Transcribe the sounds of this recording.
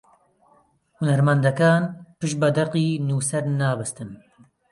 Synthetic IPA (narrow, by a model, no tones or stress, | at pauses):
hunɐɾmand̪ɐkaːnpɨʃbɐd̪ɐqiːnuːsɛɾnaːbɨst̪ɨn